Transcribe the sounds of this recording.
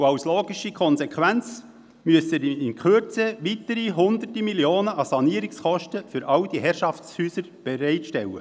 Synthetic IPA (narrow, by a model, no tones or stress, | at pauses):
ɑwsloːɡiʃikʰɔnsɛkʰʋænt͡s | myəsəɾiɪnkχøɾt͡səʋit̪əɾiɦʊnd̪ərtimiljoːnəʔɑsɑniːəɾɪksχɔʃtəfʏɾʔɑwd̥̪iɦɛɾʃɑft͡sshyːsəɾb̥ɛɾɛɪtʃtɛwə̰